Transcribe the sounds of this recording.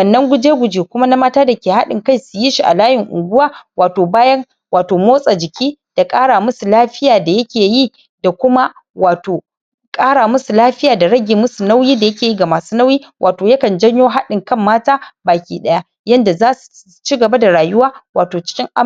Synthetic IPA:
wɐ˨nːɐ˦ŋɡʷʊ˦d͡ʒeː˦ɡʷʊ˨d͡ʒeː˨kʷʊ˦ma˦na˦maː˦taː˦da˨kʲeː˨ha̰˦ɗɪ˨ŋka˦˨jsʊ˨ji˦ʃi˨ʔa̰˨laː˦jɪ˨ŋʔʊ̰˨ɡʷʊ˦waː˦waː˨toː˨baː˦jɐ˦ŋ | waː˨toː˨moː˦sʼa˨d͡ʒɪ˨kʲʰiː˦d̥a˨kʼaː˦ɽaː˨mʊ˦su˨laː˦ɸɪ˦jaː˨da˨jɐ˦kʲʰeː˨ji˦ | da˨kʷʊ˦ma˦ | waː˨toː˨ | kʼaː˦ɽaː˨mʊ˦su˨laː˦ɸɪ˦jaː˨da˨ɽɐ˦ɡʲeː˨mʊ˦su˨na˦wjiː˦da˨jɐ˦kʲeː˨ji˦ɡa˨maː˨suː˦na˦wjiː˦wʔa̰ː˨toː˨jɐ˦kɐ˨nd͡ʒɐ˦ɲjoː˦ɦa˦ɗɪ˨ŋkɐ˦mːaː˦taː˦baː˨kʲḭː˦ɗɐ˦ja˦ | jɐ˦nda˨zaː˦su̥˨ | t͡ʃi˦ɡɐ˨ba˦da˨ɽaː˨jʊ˦waː˦waː˨toː˨t͡ʃɪ̥˦kʲɪ˦ŋʔa˦

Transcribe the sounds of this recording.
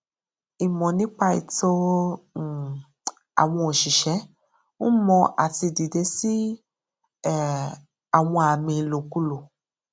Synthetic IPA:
i˨mɔ̃˨nĩ˨˦k͡pa˧ḭ˨to˦˨ | a̰˨w̃ɔ̃˧o˨ʃi˨ʃɛ˨˦ | o˦mɔ̃˧ʔa̰˨ti˧di˨de˧˦si˦ | a˨w̃ɔ̃˧a˨mĩ˨lo˨ku˦lo˨

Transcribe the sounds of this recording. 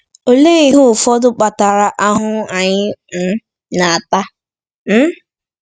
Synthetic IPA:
o˨le˦i˦ɦʊ˦˨fɔ˦dʊ˦k͡pa˨ta˨ɾa˨ʔa˦ɦʊ˦a˨ɲɪ˦m̩˦ | na˨a˨ta˦ | m̩˦

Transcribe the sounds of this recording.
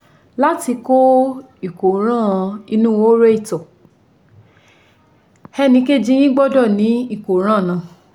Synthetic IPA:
la˦ti˧ko˦ | i˦˨ko˨ɾ̃ã˦˨˧i˧nũ˦wo˦ɾe˦i˦˨tɔ˨ | hɛ˧nĩ˧˦ke˦d͡ʒĩ˦j̃ĩ˦ɡ͡bɔ˦˨dɔ˦˨nĩ˨˦i˦˨ko˨˦ɾ̃ã˦˨nã˨˧˨

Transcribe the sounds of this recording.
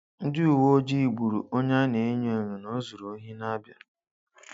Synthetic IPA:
n̩˦dɪ˦u˨wo˦d͡ʒi˦i˨ɡ͡bu˨ɾṵ˨o˦ɲa˦ne˨e˦ɲe˦˨ŋi˨no˦zu˨ɾo˨˦ɦi˦na˦bja˨

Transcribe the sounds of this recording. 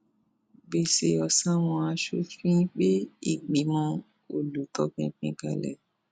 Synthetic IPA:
ɡ͡be˨se˧˦ɔ˨sã˦w̃ɔ̃˧a˧ʃo˧˦ffĩ˦k͡pe˦i˦˨ɡ͡bi˨˦mɔ̃˧ | o˨lu˨tɔ˧˦k͡pĩ˧˦k͡pĩ˧˦ka̰˧˨lɛ̰˨

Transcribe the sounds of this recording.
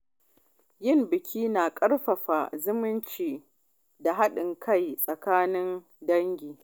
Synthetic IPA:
jɪ˦˨mbɪ˨kʲiː˦naː˨kʼɐ˦ɽɸɐ˨ɸa˨zʊ˦mɪ˦nt͡ʃiː˨ | da˨ɦa˦ɗɪ˨ŋkʰɐ˦˨jsʼɐ˨kaː˦nɪ˦n | dɐ˦ŋɡʲiː˨

